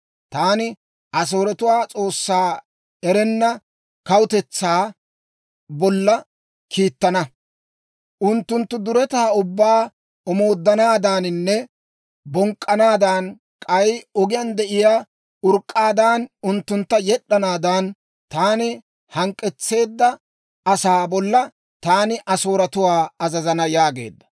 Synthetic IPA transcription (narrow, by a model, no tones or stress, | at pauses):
t̪aːnɪ | ɐs̬oːɾɛt̪ʊwaːt͡sʼo̞ːsːaː | ɛɾɛnːɐ | kɐwʊt̪ɛt͡sːaː | bɔlːɐ | kʰiːt̪ːɐnɐ | ʔʊnt̪ːʊnt̪ːʊd̪ʊɾɛt̪aːʊbːaː | ɔmo̞ːd̪ːɐnaːd̪aːnɪnːɛ | bɔŋkʼːɐnaːd̪an | kʼɐjɔɡɪjɐnd̪ɛʔɪjaː | ʊɾkʼːaːd̪aːnʊnt̪ːʊnt̪ːɐjɛɗːɐnaːd̪an | t̪aːnɪ | hɐŋkʼːɛt͡sːe̞ːd̪ːɐ | ɐsaːbɔlːɐ | t̪aːnɪʔɐso̞ːɾɐt̪ʊwaːɐzɐzɐnɐjaːɡe̞̰ːd̪ːɐ̥